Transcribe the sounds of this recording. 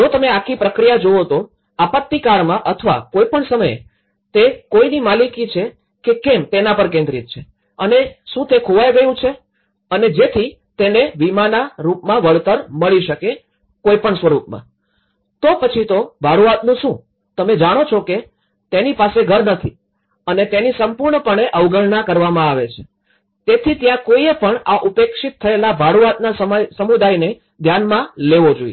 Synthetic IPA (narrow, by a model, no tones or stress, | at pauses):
d͡ʒot̪əmeakʰːipɾəkɾijad͡ʒoot̪o | apət̪ːikaɭmãʔət̪ʰəʋa̰kojpəɳsəməj | t̪ekoinimalikit͡ʃʰe | kekemt̪enapəɾkẽnd̪ɾit̪̚t͡ʃʰe | əneʃũt̪ekʰoʋajɡəjũt͡ʃʰe | əned͡ʒet̪ʰi | t̪eneʋimanaɾupmãʋəɭt̪əɾməɭiʃəke | koipəɳsʋəɾupmã̰ | t̪opət͡ʃʰit̪obʱaɽuat̪nũʃũ | t̪əmed͡ʒaɽ̃ot͡ʃʰoke | t̪enipaseɡʱəɾnət̪ʰi | ənet̪enisəmpuɾɳəpəɳeʔəʋɡəɭɳakəɾʋamãaʋet͡ʃʰe | t̪et̪ʰit̪jãkoiepəɳaʔupekʃit̪ʰːəelabʱaɽuat̪̚nasəmjsəmud̪ajne | d̪ʱjanmãleʋod͡ʒoie